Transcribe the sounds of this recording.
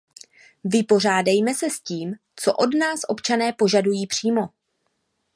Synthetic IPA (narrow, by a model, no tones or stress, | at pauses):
vɪpo̞r̝aːdajmɛsɛsciːm | t͡so̞̰ʔo̞dnaːsʔo̞pt͡ʃanɛːpo̞ʒadujiːpr̝̥iːmo̞